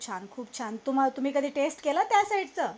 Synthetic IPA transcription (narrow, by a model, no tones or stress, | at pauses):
t͡ɕʰankʰuːpt͡ɕʰant̪um̤alt̪um̤iːkəd̪ʱiːʈesʈkelət̪jasaiɽt͡səː